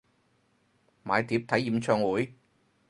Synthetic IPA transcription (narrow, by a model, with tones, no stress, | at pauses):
maː˨˧jt̪iː˨˧˥p̚t̪ʰɐ˨˥jːiː˧mt͡ʃʰœː˧ŋwuː˨˧˥j